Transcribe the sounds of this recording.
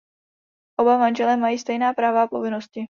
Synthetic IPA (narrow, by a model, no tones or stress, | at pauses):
ʔo̞bamanʒɛlɛmajiːst̪ɛjnaːpɾaːvaapo̞vɪno̞scɪ